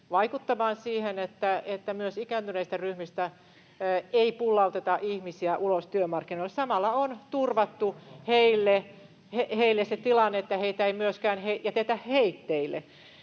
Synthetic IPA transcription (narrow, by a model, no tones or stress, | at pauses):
ʋɑikut̪ːɑmɑːnsiːhenet̪ːæet̪ːæmyøsikæːnt̪yneist̪æryhmist̪æ | eipulːɑut̪et̪ɑʔihmisiæʔulost̪yømɑrkːinoilːesɑmɑlːɑont̪urʋɑt̪ːuheilːe | heheilːeset̪ilɑnːeet̪ːæheit̪æeimyøskæːnheijɑt̪eht̪æhheit̪ːeilːˑḛ